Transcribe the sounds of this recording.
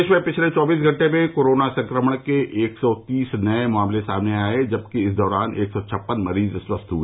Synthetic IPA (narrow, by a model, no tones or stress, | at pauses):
ʃmẽpɪt͡ʃʰlet͡ʃɔːbiːs̬ɡʱɐ̃ɳʈemẽkoːɾoːnasɐ̃ŋkɾəməɽ̃keʔeːksɔt̪iːsnɐemaːmlesaːmneaːed͡ʒɐb̚kiɪsd̪ɔːɾaːnʔeːksɔt͡ʃʰɐpːənmɐɾiːzswəst̪ʰɦue